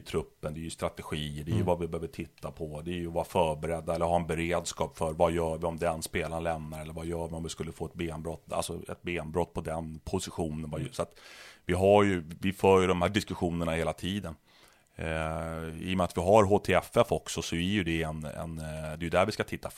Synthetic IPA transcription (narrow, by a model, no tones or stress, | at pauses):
t̪ʰɾɵpːənd̪ɛːɾjɵst̪ɾat̪ɛɧiːəɖɛæjɵvavɪbɛhøːvəʈʰɪt̪ʰːapʰɔd̪ɛːɾjɵvɑːɾafœːɾbɛɾɛd̪ːaɛlːəɾɦɑːɛnbɛɾeːd̪skɑːpfœɾvajœːɾvɪɔmd̪ɛnspeːlanlɛmnaɾɛlːəɾvajœːɾvɪɔmvɪskɵlːəfoːɛt̪̚beːnbɾɔt̪ːa̰lsɔɛ̰t̪̚beːnbɾɔt̪ːpʰɔd̪ɛnpʰʊsɪɧuːnənvajsɔat̪vɪɦaɾjɵvɪfœːɾjɵd̪ɔmhæːɖɪskɵɧuːnəɳaheːlat̪ʰiːd̪ən | ḭːjɔmɛat̪vɪɦaɾɦoːt̪ʰeːɛfɛfɔksɔsɔæɾjɵd̪ɛɛnɛ̰nd̪ɛjɵd̪æɾvɪskat̪ʰɪt̪ʰːa